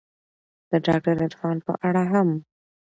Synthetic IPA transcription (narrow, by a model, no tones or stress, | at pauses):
d̪̥əɖɑ̰k̚ʈaɾɪɾfɑnpə̰ʔaɽaɦam